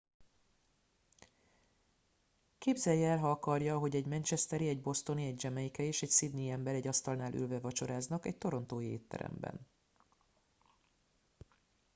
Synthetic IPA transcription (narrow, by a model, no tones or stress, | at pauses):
keːbzɛjːɛːlɦɒɒkɒrjɒɦo̞ɟɛɟmɛnt͡ʃɛst̪ɛɾiɛɟbo̞st̪o̞niɛɟd͡ʒɛmɛjikɛeːʃɛcsid̪niːɛmbɛɾɛɟːɒst̪ɒlnaːlʔy̰lvɛvɒt͡ʃo̞ɾaːznɒkɛ̰c̚t̪o̞ɾo̞nt̪oːjḛːt̪ːɛ̰ɾɛ̰mbɛ̰n